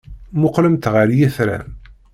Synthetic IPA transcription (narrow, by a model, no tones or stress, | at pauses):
mʊqləmt̪ʁəɾjæθɾæ̰